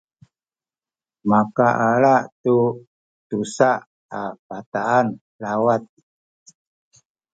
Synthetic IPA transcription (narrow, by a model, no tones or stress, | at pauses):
makaʔalaʔt̪u | t̪usaʔ | apat̪aːn | lawat̪̚